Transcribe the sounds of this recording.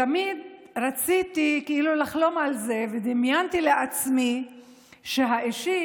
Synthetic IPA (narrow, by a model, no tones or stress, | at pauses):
amid̪ɾat͡sit̪ikeilulaχlo̞malze̞ved̪imjant̪ile̞ʔat͡smi | ʃeɦaʔiʃi